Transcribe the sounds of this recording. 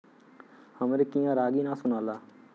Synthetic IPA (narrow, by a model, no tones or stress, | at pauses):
həmɾekijãːɾaːɡiːnãːsʊnãːlaː